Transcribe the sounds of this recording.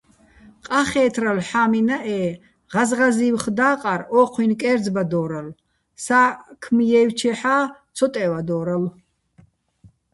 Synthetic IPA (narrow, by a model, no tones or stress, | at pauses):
qʼaχɛːt̪ʰɾalħaːminaʔɛː | ʁazʁaziwχd̪aːqʼaɾɔqʰwinkʼɛːɾd͡zbad̪ɔːɾal | sakʰmjɛːwt͡ʃʰɛħaːt̪t͡sʰɔt̪ʼɛvad̪ɔːɾal